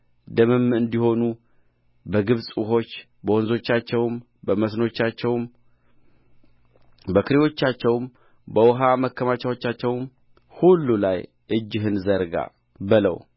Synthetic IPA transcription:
d̪əmɨmɨnd̪iho̞nu | bəɡɨβsʼɦo̞t͡ʃː | bəwonzo̞t͡ʃːat͡ʃːɛwm | bəməsno̞t͡ʃːat͡ʃːɛwm | bəkʰɨɾewo̞t͡ʃːat͡ʃːɛwm | bəwɦaməkʰːəmat͡ʃawo̞t͡ʃːat͡ʃːɛwm | hulːulaj | ʔɨd͡ʒːɨɦɨnzəɾɡa̰ | bɨlə̰w

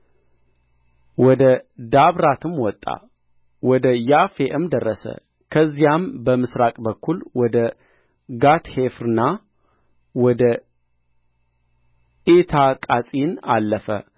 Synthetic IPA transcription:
wɔd̪əd̪aβɾat̪ʰɨmwɔt̪ʼːa̰ | wɔd̪əjafeʔɨmd̪ərːəsə̰ | kʰəzːijambəmɨsɾakʼbəkʰːulwɔd̪ə | ɡat̪hefɾɨnːa | wɔd̪ə | ʔet̪ʰakʼasʼinalːəfə̰

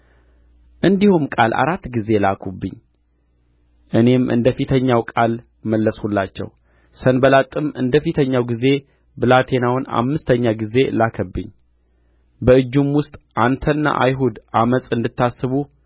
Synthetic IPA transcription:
ʔɨnd̪ihumkʼa̰lʔa̰ɾat̪ːɡize̞lakʰubːɨ̰ɲː | ʔɨne̞mʔɨ̰nd̪əfit̪ʰəɲːawkʼal | məlːəshulːat͡ʃːɛ̰w | sənbəlat̪ʼːɨmɨ̰nd̪əfit̪ʰəɲːawɡize̞ | bɨlat̪ʰe̞nawna̰mːɨst̪ʰəɲːaɡize̞lakʰəbːɨ̰ɲː | bəɨd͡ʒːumwʊst̪ʼʔant̪ʰənːa̰ʔajɦud̪ʔamət͡sʼɨnd̪ɨt̪ʰːasːɨβu

